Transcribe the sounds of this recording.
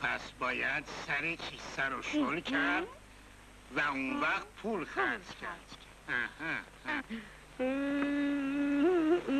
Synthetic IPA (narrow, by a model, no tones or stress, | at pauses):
pʰæsbɒːjæd̪sæɾet͡ʃʰisæɾoʃolkʰæɾd̪ | væunvæɣt̪̚pʰulxæɾzkʰæɾd̪̥ | æhæh